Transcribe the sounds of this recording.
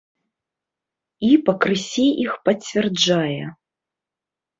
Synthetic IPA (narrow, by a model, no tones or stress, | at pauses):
ipɐkɾɨsʲiʔixpɐt͡sʲvʲɛrd͡ʐajɛ